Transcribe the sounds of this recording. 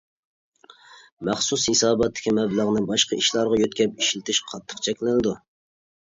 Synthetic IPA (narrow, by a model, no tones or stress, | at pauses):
mæχsushɪsɑːbɑt̪ʰːɪ̥kʲʰimɛblˠəʁnɨbɑʃqɑʔiʃlˠɑɾʁɑjøt̪̚kʲʰɛp̚iʃlɪt̪ʰɪʃqʰɑt̪ʰːə̥qt͡ʃʰɛkʲlɪnɨd̪u